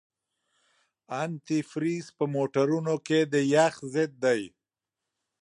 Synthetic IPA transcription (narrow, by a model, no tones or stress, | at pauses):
ant̪ifɾispəmoʈaɾunoked̪əjaxzɪd̪̚d̪aj